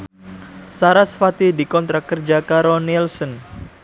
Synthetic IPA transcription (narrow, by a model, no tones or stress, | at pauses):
saɾasfat̪idikɔnt̪ɾakərd͡ʒakaɾɔlnilsɔn